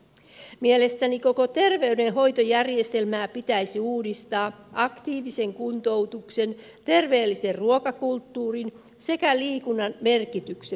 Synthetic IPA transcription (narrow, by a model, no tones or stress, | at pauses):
miele̞st̪æniko̞kot̪e̞rʋe̞ydenɦo̞jt̪ojærje̞st̪e̞lmæːpit̪æjsiuːdist̪ɑːʔɑkt̪iːʋise̞ŋkunt̪o̞wt̪ukse̞n | t̪e̞rʋeːlːise̞rruokɑkult̪ːuːrin | se̞kæliːkunːɑnme̞rkit̪ykse